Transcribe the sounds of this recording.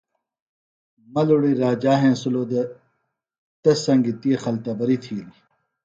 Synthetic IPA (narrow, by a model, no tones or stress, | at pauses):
mɐluɽiɾaːd͡ʑaːɦẽːsuloːd̪ɐ | t̪ɐsɐŋɡit̪iexɐlt̪ɐbɐɾit̪ʰiːli